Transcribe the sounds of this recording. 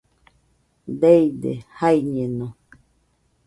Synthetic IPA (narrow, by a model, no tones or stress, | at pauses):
d̪eid̪ḛhaiɲẽnõ